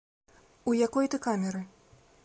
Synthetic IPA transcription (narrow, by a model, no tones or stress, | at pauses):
ujakɔjt̪ɨkamʲɛɾɨ